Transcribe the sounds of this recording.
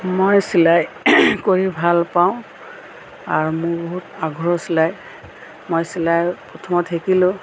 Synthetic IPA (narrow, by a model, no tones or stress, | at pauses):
mojsilaj | koɹibʱalpaʊ̃ | aɹumʊɹboɦutaɡʱɔɹɔsilaj | mojsilajpɹɔtʰɔmɔtʰekilʊ̃